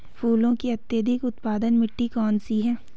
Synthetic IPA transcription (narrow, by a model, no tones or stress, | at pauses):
fʰuːlõkiɐt̪jəd̪ʱɪkʊt̪paːd̪ənmɪʈːikɔːnsiɦɛː